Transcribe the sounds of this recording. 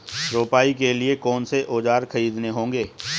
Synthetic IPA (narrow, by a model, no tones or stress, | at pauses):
ɾoːpaːikeliekɔːnseʔoːd͡ʒaːɾkʰɐɾiːd̪neɦõːŋɡeː